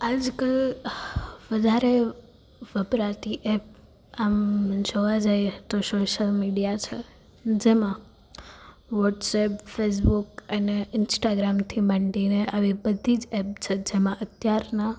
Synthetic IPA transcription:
ad͡ʒkəl | ʋəd̪ʱaɾe | ʋəpɾat̪iʔɛp̚ | amd͡ʒoʋad͡ʒajet̪osoʃəlmiɖijat͡ʃʰe | d͡ʒemã | ʋɔʈsɛpfes̬bukəneɪnsʈaɡɾamt̪ʰiməɳɖineaʋibəd̪ʱid͡ʒɛp̚t͡ʃʰed͡ʒemãʔət̪jaɾna

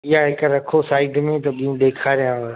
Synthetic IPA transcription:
ɪɦaɦɪkɾɐkʰosaːɪɖmẽt̪ɐɓĩũɗ̪eːkʰaːɾijã

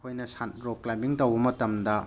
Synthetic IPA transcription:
kʰojnɐsanɾoklajmbiŋtɐwbɐmɐtɐmdɐ

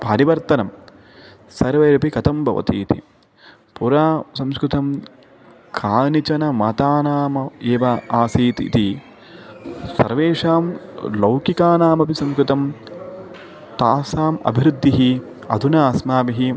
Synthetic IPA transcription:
paɾiʋɐɾt̪ɐnɐm | sɐɾʋɐjɾɐpikɐt̪ʰɐmbʱɐ̰ʋɐ̰t̪ḭːt̪ḭ | puɾaːsɐmskɾut̪ɐm | kʰaːnit͡ʃɐnɐmɐt̪aːnaːmɐeːʋɐaːsiːt̪ḭt̪i | sɐ̰ɾʋeːʂaːmlɐwkikaːnaːmɐpisɐmskɾut̪ɐm | t̪aːsaːmɐ̰bʱiɾud̪ʱːiɦi | ɐd̪ʱunaːsmaːbiɦi

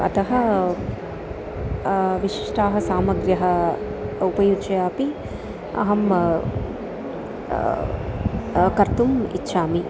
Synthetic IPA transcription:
ɐ̰t̪ɐɦɐ | ʋiʂi̥ʂʈaːɦɐsaːmɐɡɾjɐɦɐ | upɐjut͡ʃɐjaːpi | ɐ̰ɦɐm | kɐɾt̪umḭtːʃʰaːmi

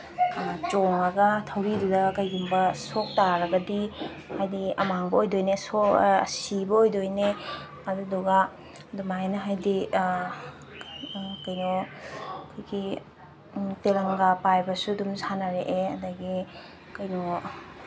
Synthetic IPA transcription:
t͡ʃoŋɐɡɐtʰɐwɾidudɐkɐjɡumbɐsok̚taɾɐɡɐdi | hajdiɐ̰maŋbɐojdojnesoɐ̰sibɐojdojne | ɐduduɡa | dumanɐɦajdi | kɐjnɔ | kʰojɡi | telɐŋɡapajbɐsudumsanaɾeʔeɐ̰dɐɡi | kɐjnɔ

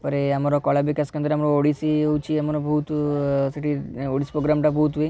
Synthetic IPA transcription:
pɐɾeamaɾokɔlabekaskɐnt̪ɾeamɾooɽisiwt͡ʃiamaɾobɐɦut̪sɐʈʰioɽisi̥pɾoɡɾamʈabəɦut̪ʋi

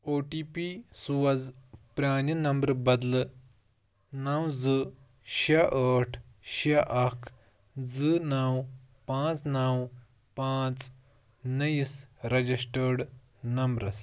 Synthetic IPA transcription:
oʈiːpisuwɐd͡zpɾʲaːnənɐmbɾbɐd̪l | nawd͡zɨ | ɕaʔəʈʰɕaʔɐkʰ | d͡zɨnaw | pãt͡snaw | pãt͡s | nəjisɾɐd͡ʑisʈəɽ | nɐmbɾɐs

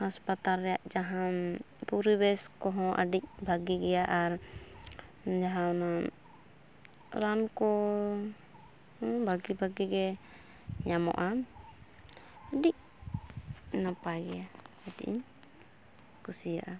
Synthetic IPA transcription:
haspat̪alːɛjaʔd͡ʒaɦãn | puɾibɛskɔɦɔ̃ʔa̰ɖic̚bʱaɡiɡɛjaʔaɾ | d͡ʒaɦãna | ɾankɔ | bʱaɡibʱaɡiɡɛ | ɲamɔ̰ʔa | əɖic̚ | napaɡɛja | adiḭɲ | kusija̰ʔa

